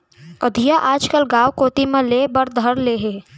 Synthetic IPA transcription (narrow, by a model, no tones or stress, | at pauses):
ɐd̪ʱijaʔaːd͡ʒkəlɡaːʋkoːt̪imẽleːbɐɾd̪ʱəɾleːɦeː